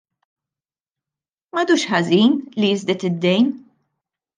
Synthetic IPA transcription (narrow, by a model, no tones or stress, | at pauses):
mɐd̪uːʃħɐziːnlijɪzd̪ɛt̪ɪd̪ːɛjn